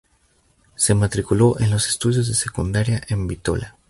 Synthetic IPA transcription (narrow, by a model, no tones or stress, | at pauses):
se̞mat̪ɾikulo̞ʔenlo̞se̥st̪uðjo̞zðese̞kund̪aɾjaʔe̞mbit̪o̞̰la